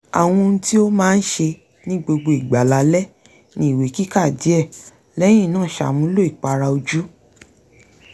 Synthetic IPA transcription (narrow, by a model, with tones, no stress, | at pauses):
a̰˨w̃ũ˧n̩˧ti˦o˦mãː˦˧n̩˦ʃe˧ | nĩ˦ɡ͡bo˧ɡ͡bo˧i˨ɡ͡ba˨la˨˦lɛ˦ | nĩ˦i˦˨we˨˦ki˦ka˦˨di˨˦ɛ˦˨ | lɛ˦j̃ĩ˦˨nãː˦˨ʃa̰˨mũ˦lo˦i˦˨k͡pa˧ɾa˧o˧d͡ʒu˦